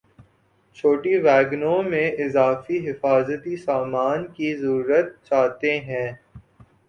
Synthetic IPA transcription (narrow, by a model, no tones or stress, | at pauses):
t͡ʃʰoːʈiʋɛːɡnõmẽɪzaːfiɦɪfaːzət̪isaːmaːnkizəɾuːɾət̪̚t͡ʃaːt̪eɦɛ̃ː